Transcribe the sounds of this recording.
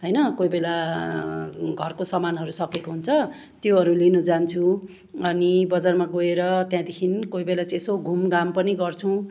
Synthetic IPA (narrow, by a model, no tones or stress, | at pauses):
ɦʌjnʌkojbela | ɡʱʌrkosʌmanɦʌɾusʌkekoɦunt͡sʰʌ | t̪joɦʌɾulinud͡zant͡sʰu | ʌnibʌd͡zarmaɡoeɾʌt̪jãd̪ekʰinkoibelat͡sesoɡʱumɡampʌniɡʌrt͡sʰũ